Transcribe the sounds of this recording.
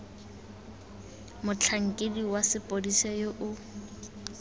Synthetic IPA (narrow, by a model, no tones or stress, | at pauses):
mʊt͡ɬʰaŋ̩kʼediwasɪpʼodisɛjoʔʊ